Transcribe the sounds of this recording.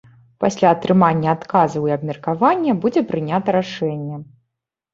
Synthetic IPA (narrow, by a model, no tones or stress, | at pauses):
pasʲlʲaɐt̪ɾɨmanʲːɐat̪kazɐwiɐbmʲɛrkavanʲːɐbud͡zʲɛpɾɨnʲat̪ɐɾaʂɛnʲːɛ